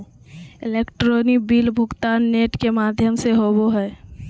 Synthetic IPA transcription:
ɪleːkʈɾoːnɪk̚biːlbʱʊɡt̪aːnːeːʈkemaːd̪ʱjəmseɦoːboɦɛː

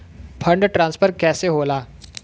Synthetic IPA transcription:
pʰɐ̃ɳɖʈɾãːnspʰəɾkɛːseɦoːlaː

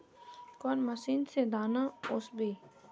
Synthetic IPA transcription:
konməsiːnsed̪aːnaʊsbiː

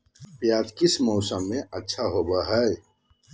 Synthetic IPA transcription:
pjaːt̪kɪsmɔːsəmːẽɐtːʃʰaɦoːbəɦɛj

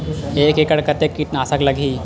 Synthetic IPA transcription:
eːkekəɽkɐt̪ekːiʈnaːsəklɐɡʱiː

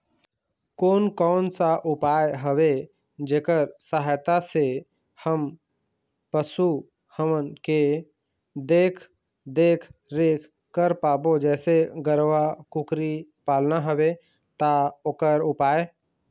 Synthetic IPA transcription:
koːnkɔːnsaʔʊpaːeɦəʋe | d͡ʒeːkəɾsəɦaːjt̪ase | həm | pəsu | həmənke | d̪eːkʰ | d̪eːkʰɾekʰ | kːəɾpaːbod͡ʒɛːseɡəɾʋakukɾipaːlnaɦəʋe | t̪aoːkəɾʊpaːe

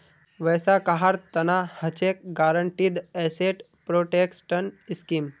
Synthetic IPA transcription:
ʋəjsakaɦaɾt̪ɐnahət͡ʃek̚ɡaːɾəɳʈid̪ɛːseʈ | pɾoːʈeksʈəniskim

